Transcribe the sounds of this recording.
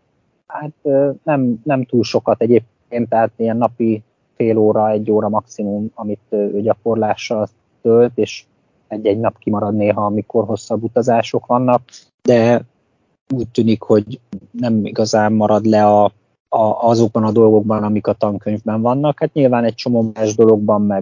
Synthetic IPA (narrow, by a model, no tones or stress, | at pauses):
hat̪ːnɛmnɛmt̪uːlʃo̞kɒt̪ɛɟeːp̚kkeːnt̪at̪ijɛnːɒpi | feːloːɾɒɛɟːoːɾɒmɒksimumɒmit̪ːøːɟɒko̞rlaːʃːɒl | t̪ølt̪eːʃ | ɛɟːɛɟnɒpkimɒɾɒd̪neːɦɒːmiko̞rɦo̞sːɒbːut̪ɒzaːʃo̞kʋɒnːɒk̚ | d̪ɛ | uːc̚t̪yːnikho̞ɟnɛmḭɡɒzaːmːɒɾɒd̪lɛɒ | ɒːzo̞ɡ̚bɒnɒd̪o̞lɡo̞ɡ̚bɒnɒmikɒt̪ɒŋkøɲvbɛɱvɒnːɒkhaːt̪ɲilvaːnɛc̚t͡ʃo̞moːmaːʒd̪o̞lo̞ɡ̚bɒmːɛ